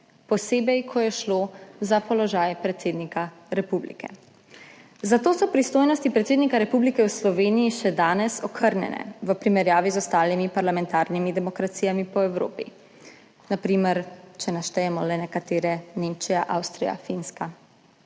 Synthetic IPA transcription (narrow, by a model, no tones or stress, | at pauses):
pɔseːbɛjkʰɔjɛʃlozapɔlɔʒaːjpɾɛt̪seːd̪nika | ɾɛpublḭkʰɛ̰ | zat̪oːsɔpɾist̪oːjnɔst̪ipɾɛt̪seːd̪nikaɾɛpublikɛwslɔʋeːnijiʃɛd̪aːnɛsɔkʰəɾnjɛ̰nʔɛ̰ʋəpɾimɛɾjaːʋizɔst̪aːlimipaɾlamɛ̃nt̪aːɾnimid̪ɛmɔkɾat̪sijamipɔɛwɾo̰ːpḭ | napɾiːmɛɾt͡ʃɛnaʃt̪ɛjɛmɔlɛnɛkat̪eːɾɛneːmt͡ʃijaʔa̰wst̪ɾija̰finska